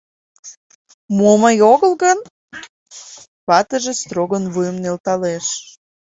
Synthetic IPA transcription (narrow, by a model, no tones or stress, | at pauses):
moməjoɣəlɣən | pɑt̪əʒest̪ɾoɣənβujəmnelt̪ɑleʃ